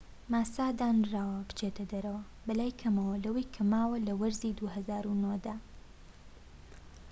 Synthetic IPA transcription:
maːsaːd̪aːnraːwɐbɨ̥t͡ʃet̪ʰɐd̪ɐɾɐwɐ | bɐlaːjkʰɐmɐwɐlɐwɐjkʰɐmaːwɐlɐwɐɾziːd̪uɦɐzaːɾunod̪aː

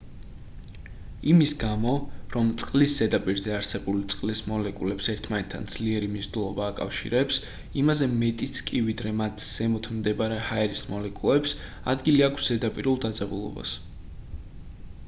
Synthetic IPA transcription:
imisɡamɔɾɔmt̪sʼqʼlisz̥ɛd̪apʼiɾzɛaɾsɛbulit̪sʼqʼlismɔlɛkʼulɛpsɛɾt̪ʰmanɛt̪ʰːa̰nd̪z̥liɛɾimizd̪ulˠɔbaːkʼa̰fʃḭɾɛps | imazɛmɛt̪ʼit̪sʰkʼivid̪ɾɛmat̪ʰz̥ɛmɔt̪ʰmd̪ɛbaɾɛhaɛɾismɔlɛkʼulˠɛps | a̰d̪ɡiliakʰsz̥ɛd̪apʼiɾulˠd̪ad̪zʼabulˠɔ̰ba̰s

